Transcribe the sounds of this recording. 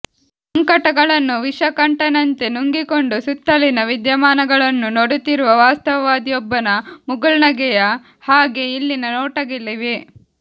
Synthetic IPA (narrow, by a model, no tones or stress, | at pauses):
sɐŋkɐʈɐɡɐɭɐnːuʋiʂɐkɐɳʈɐnɐnt̪enuŋɡikoɳɖusut̪ːɐlinɐʋid̪jɐmaːnɐɡɐɭɐnːunoɽut̪iɾuʋɐʋaːst̪ɐʋɐʋaːd̪ijɔbːɐnɐmuɡɐɭnɐɡɛjɐ | haːɡe̞ilːinɐnoːʈɐɡilːiʋe